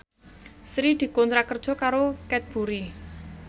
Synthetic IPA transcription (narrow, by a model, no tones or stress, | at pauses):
sɾid̪̥i̤kɔnt̪ɾakərd̥ʒ̥ɔ̤kaɾokɛt̪̚b̥ṳɾi